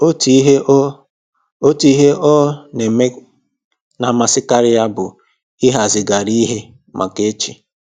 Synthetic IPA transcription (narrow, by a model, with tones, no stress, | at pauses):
o˦ti˨˦ɦe˦ | o˦ti˦ɦe˦ʔɔ˦ne˨me˦ | na˨ma˨sɪ˦ka˦ɾɪ˦ja˦bʊ˨ | i˦ɦa˨zɪ˨ɡa˨ɾi˦ɦe˦ | mʔa̰˨ke˦t͡ʃi˨